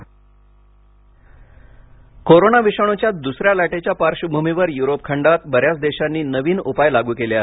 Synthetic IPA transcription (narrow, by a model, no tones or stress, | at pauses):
koɾonaʋiɕəɳ̃ot͡ɕjat̪̚d̪usɾjalaʈet͡ɕjapaɾɕəbʱumiʋəɾjuɾopkʰəɳɖat̪bəɾjat͡sd̪eɕanːiːnəʋiːnupajlaɡuːkeljaɦe